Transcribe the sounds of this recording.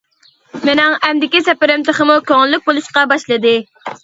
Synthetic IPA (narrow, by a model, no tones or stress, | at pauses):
mɪnɛŋɛmd̪ɪkʲisɛpɪɾɪmt̪ʰəχəmukʲʰøŋɪlːyk̚ʲbolˠuʃqɑbɑʃlˠɨd̪ɨ